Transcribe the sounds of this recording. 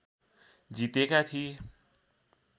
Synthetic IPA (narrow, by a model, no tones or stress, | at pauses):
d͡zit̪ekat̪ʰi